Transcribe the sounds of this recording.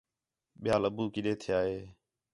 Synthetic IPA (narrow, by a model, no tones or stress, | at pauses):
ɓɪjaːləbuːkɪɗeːt̪ʰɪjaːɦeː